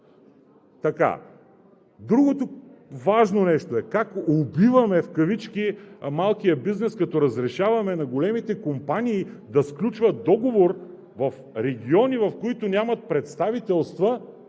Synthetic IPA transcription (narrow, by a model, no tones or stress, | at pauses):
t̪ɐka̰ | d̪ɾuɡot̪ovaʒnonɛʃt̪oɛkakobivɐmɛfkɐvit͡ʃkʲimalˠkijəbiznɛskɐt̪ɔɾɐzɾɛʃavɐmɛnɐɡolɛmit̪ɛkompaniːd̪ɐsklʲut͡ʃvɐd̪ɔɡovoɾ | vɐf | ɾɛɡʲiɔnivɐfkoit̪ʊnʲamɐt̪̚pɾɛt̪st̪avit̪ɛlˠst̪və